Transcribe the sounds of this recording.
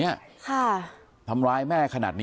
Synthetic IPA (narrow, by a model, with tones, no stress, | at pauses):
i˦˥ɐkʰa˥˩ | t̪ʰa˧mɾaː˧jmɛː˥˩kʰa˧na̰ː˨˩t̪̚nː˥